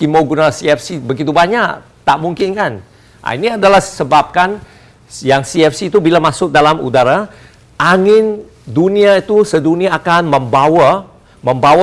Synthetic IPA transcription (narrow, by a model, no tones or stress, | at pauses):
kimoɡunasiɛfsibəɡit̪ubaɲak | t̪aʔmuŋkɪnkan | ʔa̰iniadalahsəbap̚kan | jaŋsiɛfsiːt̪ubilamasʊk̚dalamṵdaɾa | ʔaŋɪn | duniait̪usəduniaːkanməmbawa | mə̃mbawa